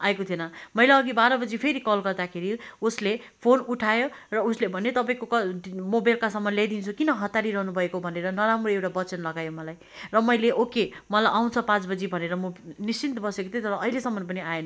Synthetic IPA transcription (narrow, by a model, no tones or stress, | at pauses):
aekot̪ʰienʌmʌjlaʌɡibaɾʌbʌd͡zipʰeɾikʌlɡʌrd̪akʰeɾiusle | pʰonuʈʰajorʌuslebʱʌnet̪ʌpaĩkokʌmobajlkasʌmːʌnlajd̪int͡sʰukinʌɦʌt̪ːaɾiɾʌɦnubʱʌekobʱʌneɾʌnʌɾamroewʈabʌt͡sʌnlʌɡajomʌlaj | rʌmʌjleʔokemʌlajʔaw̃t͡sʰʌpãt͡sbʌd͡zibʱʌneɾʌmonist͡sint̪ʌbʌsekot̪ʰjet̪ʌɾʌʌilesʌmːʌnp̬ʌniajen